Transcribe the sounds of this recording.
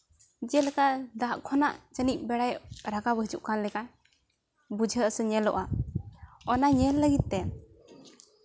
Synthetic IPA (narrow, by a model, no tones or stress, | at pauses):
d͡ʒɛlɛkad̪aʔkʰɔnaʔt͡ʃənic̚bɛɽajɾaɡabəd͡ʒuʔkanlɛka | bud͡ʒʱəəsəɲɛlɔ̰ʔa | ɔnaɲɛlːəɡit̪̚t̪ɛ